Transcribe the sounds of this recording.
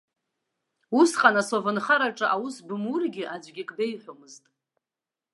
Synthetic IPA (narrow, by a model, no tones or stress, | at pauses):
usqʼanasovɨnχaɾaʈ͡ʂʼɨʔawusbɨmurɡʲɪʔad͡ʒʷɡʲɪkʼbejħʷomɨztʼ